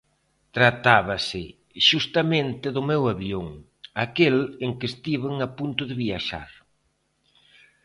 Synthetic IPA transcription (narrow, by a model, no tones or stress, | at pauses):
t̪ɾat̪aβɐsɪ | ʃust̪amẽnt̪ɪðʊmewaβjoŋ | akeleŋkest̪iβeŋapunt̪ʊðɪβiaʃa̰ɾ